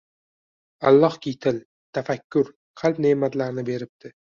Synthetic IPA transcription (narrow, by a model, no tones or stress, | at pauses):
a̰lˠːɒhkʲit̪ʰɪl | t̪ʰafakʲːʊɾ | qʰɑlˠpneːmat̪laɾnɪbe̞ɾɪp̚d̪̥ʰɪ